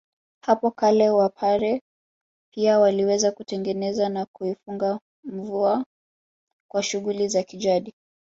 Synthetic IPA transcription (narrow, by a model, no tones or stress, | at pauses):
hapɔkalɛwapʰaɾɛ | piawaliwɛzakutɛŋɡɛnɛzanakuifuŋɡa | m̩vua | kwaʃuɣulizakid͡ʒaɗi